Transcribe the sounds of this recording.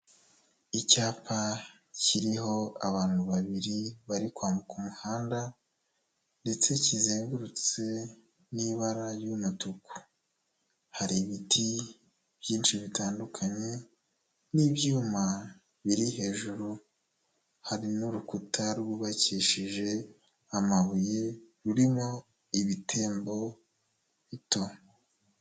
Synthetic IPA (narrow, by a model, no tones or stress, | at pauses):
icaːpa | ciɾiɦo̞a̰βaːn̥huβaβiɾiβaɾikwaːmukumuhaːnda | nde̞t͡se̞cizeːŋɡuɾut͡se̞ | niβaɾajumutuku̥ | haɾiβitʰi | b̥jiːnʃiβitaːndukʰaɲe̞ | niβjuːma | βiɾihe̞ːʒuɾu | haɾinuɾukutʰaɾɡuβaciːʃiʒe̞ | amaβujeɾuɾimo̞ | iβitʰe̞ːmbo̞ | βito